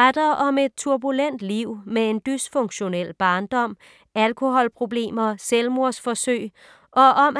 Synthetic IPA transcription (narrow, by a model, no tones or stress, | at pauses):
ɑd̥ɐɒ̽me̝d̥̚t͡sʰuɐb̥ulen̰d̥liʊ̰mee̝nd̥ysfɔ̽ŋɕo̝nel̰b̥ɑ̈ːnd̥ɒ̽m̰ | ælkʰo̝hɒ̽lpʰʁo̝b̥le̝̰ːmɐselmo̝ɐ̰sfɒ̽søɪ | ʔɒ̽ʔɒ̽m